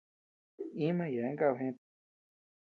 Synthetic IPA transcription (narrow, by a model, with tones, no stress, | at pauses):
ĩ˦mã˧˨ja˨ẽ˦ŋɡa˦˧˨ɦẽ˧˦